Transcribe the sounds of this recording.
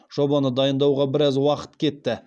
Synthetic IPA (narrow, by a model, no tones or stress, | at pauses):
ʒ̥o̞bɑnəd̪ɑjənd̪ɑwʁɑbɪɾɑzwɑqə̥t̪kʲʰe̞t̪ːɪ